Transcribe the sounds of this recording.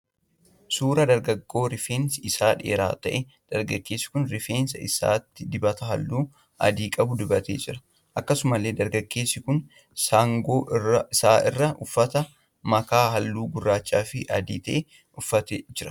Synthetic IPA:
suːɾɐd̪ɐɾɡɐɡːo̞ːɾɪfeːnsɪsaːᶑḛːɾa̰ːt̪ɐʔɛ | d̪̥ɐɾɡɐɡːe̞ːsːɪ̥kʊnɾɪfeːnsɐɪsa̰ːt̪ːɪd̪ɪbɐt̪ɐɦɐlːuː | ʔɐ̰d̪iːkʼɐbʊd̪ʊbɐt̪ḛːd͡ʒɪɾɐ̥ | ʔɐkːɐsʊmɐle̞ːd̪ɐɾɡɐɡːe̞ːsːɪkʊn | saːŋɡo̞ːʔrɐɪsaːʔɪrːɐʔʊfːɐt̪ɐ | mɐkaːɦɐlːuːɡʊrːaːt͡ʃːaːfɪʔɐd̪ḭːt̪ɐʔɛ | ʊfːɐt̪ed͡ʒɪɾɐ̥

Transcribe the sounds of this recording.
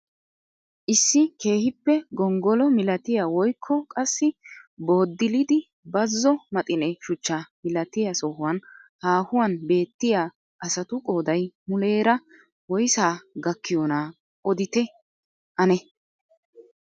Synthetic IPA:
ʔɪsːɪke̞ːhɪpːɛɡɔŋɡɔlɔmɪlɐt̪ɪjawɔjkʰːɔkʼɐsːɪbo̞ːd̪ːɪlɪd̪ɪ | bɐzːɔmɐt̪ʼɪnɛʃʊt͡ʃːamɪlɐt̪ɪjasɔhʊwɐnhaːhʊwɐnbe̞ːt̪ːɪjaː | ʔɐsɐt̪ʊkʼoːd̪ɐjmʊle̞ːɾɐ | wɔjsaːɡɐkːɪjɔna | ʔɔd̪ɪt̪ɛ | ʔɐnɛ

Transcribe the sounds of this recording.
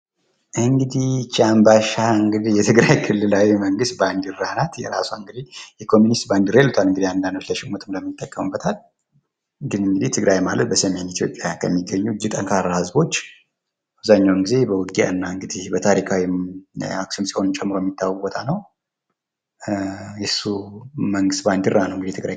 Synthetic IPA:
ʔɨŋɡɨd̪iht͡ʃambaʃaɨŋɡɨd̪ihjɛt̪ʰɨɡɾajkʰɨlːɨlawiməŋɡɨst̪̚band̪ɨrːanat̪jɛ̰ɾa̰soɨŋɡɨd̪ihjɛkʰo̞munist̪band̪ɨɾelut̪ʰalɨŋɡɨd̪iand̪and̪ot͡ʃləʃɪmot̪ʰɨmləmːɨt̪ʰʼːəkːəmɨbːət̪ʰal | ɡɨnɨŋɡɨd̪iht̪ʰɨɡɾajmalət̪̚bəsəme̞nit̪ʰijo̞̰pʼjakʰəmːiɡːəɲːud͡ʒɨt̪ʼəŋkʰaɾːahɨzbo̞t͡ʃː | aβzaɲːawŋɡize̞bəwɨɡia̰ɨnːaɨŋɡɨd̪ihbət̪ʰaɾikʰawi | aksunsi̥ho̞nt͡ʃʼɛmːɨɾojɛmːit̪ʰːawːbɔt̪ʰanəw | jɛsːuməŋɡɨst̪̚band̪ɨrːanəwŋɡɨd̪ijɛt̪ɨɡɾaj

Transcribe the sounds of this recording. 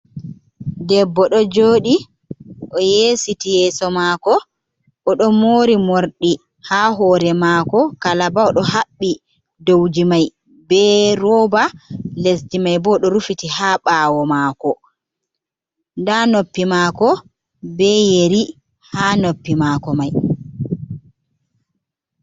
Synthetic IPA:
dɛbːɔɗɔd͡ʒoːɗi | ʔɔjeːsitijɛːsɔmaːkɔ | ʔɔɗɔmoːɾimoɾɗi | haɦɔːɾɛmaːkɔkalabaɔɗɔɦaɓːi | dowd͡ʒimaj | bɛɾɔbales̬dimajbɔɗɔɾufitihaɓaːwɔmaːkɔ | ndanopːimaːkɔ | bɛjeɾi | haːnopːimakɔmaj

